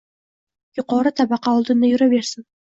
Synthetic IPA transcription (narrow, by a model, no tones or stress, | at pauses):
jʊqɑɾət̪ʰɑbɑqːɑːlˠd̪ənːɑjʏɾabeɾsɪŋ